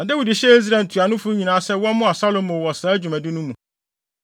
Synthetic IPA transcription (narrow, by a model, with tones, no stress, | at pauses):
na˨de˦wi˨dɪ˨ɕɛ˦e˦z̬ɾa˨n˨tʰu˨a˨nʊ̃˦fʊ˦ɲĩ˨nãː˨˦sɛ˦wɔ̃˦nmʊ̃˦a˨sa˦lo˨mõ˨wɔ˨saː˨˦æ˦d͡ʑᶣu˨mæ̃˨dɪ˦nʊ̃˦mũ˨